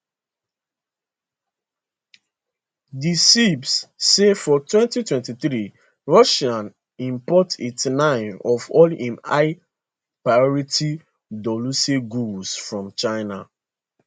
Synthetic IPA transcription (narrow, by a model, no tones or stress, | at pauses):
disibsːefɔtwɛ̃ntitwɛ̃ntiθɹi | ɹɔʃãn | ĩmpɔtitnãɪ̃nɔvɔlĩmaɪ | pɹajɔɹiti | dɔluseɡulsfɹɔ̃mt͡ʃaɪna̰